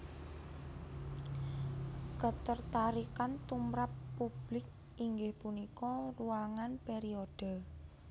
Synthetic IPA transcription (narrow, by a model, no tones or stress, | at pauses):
kət̪ərt̪aɾikant̪umɾapːub̥lɪk̚ | ʔiŋɡɪhpunikɔruaŋanpeɾiod̥ə̤